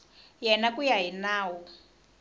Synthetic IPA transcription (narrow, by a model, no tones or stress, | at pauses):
jɛnakujaɦinaːwɔ